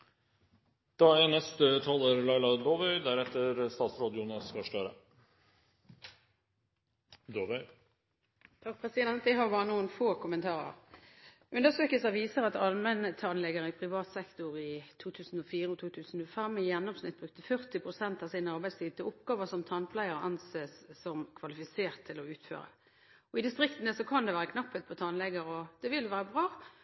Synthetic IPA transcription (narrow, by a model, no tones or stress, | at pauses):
d̪̥ɑːænɛst̪ət̪ʰɑləɾlɑɪlɑd̪oːʋœʏd̪æɾɛt̪ːəɾst̪ɑːt̪sɾoːd̪juːnəskɑʂʈøːɾə̰ | d̪oːʋœʏ | t̪ʰɑk̚pʰʁɛsɪd̪ɛnt̪̚d̪ɛɦɑɾbɑːʁənuːənfoːkʰʊmənt̪ʰɑːʁə̰ʁ | ʔʉnd̪əsøːkəlsəʋiːsəɾɑt̪ɑlmənət̪ʰɑnlɛɡəʁəɪpʰʁɪʋɑːt̪sɛkt̪ʊʁɪt̪ʰuːt̪ʰʉːsən̩ɔfiːɾəɔt̪ʰuːt̪ʰʉːsnɔfɛmːɪjɛnːɔmsnɪ̰t̪̚bʁʉk̚t̪əfœʁt̪ɪpʰʁʊsɛnt̪ɑsɪnəɑʁbæɪst̪iːʋət̪ʰɪlʊpɡɑːʋəsɔmt̪ʰɑnpʰlæɪəʁɑnseːsːɔmkʰʋɑlɪfɪseːʁt̪ʰːɪlɔʉːt̪fø̰ːʁə̰ | ɔɪd̪ɪst̪ʁɪkt̪ənəsɔkʰɑnd̪ɛʋæːʁəkʰnɑpːət̪̚pʰɔt̪ʰɑnlɛɡəɾɔd̪̥ɛʋɪlʋæːɾəbʁɑː